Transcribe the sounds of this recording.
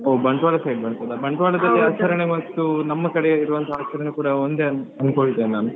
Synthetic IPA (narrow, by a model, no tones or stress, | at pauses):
oːbɐɳʈʋaːɭɐsɐjɖbɐɳtɐd̪ɐbɐɳʈʋaːɭɐd̪ɐlːiaːt͡ʃɐɾɐɳeʋɐt̪ːunɐmːɐkɐɽeiɾuʋɐnt̪ʰɐaːt͡ʃʰɐɾɐnukuːɽɐond̪eɐnkoɭit̪ːeːnːaːnu